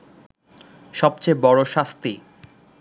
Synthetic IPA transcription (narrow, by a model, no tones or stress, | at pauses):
ʃɔb̚t͡ɕebɔɾoʃast̪i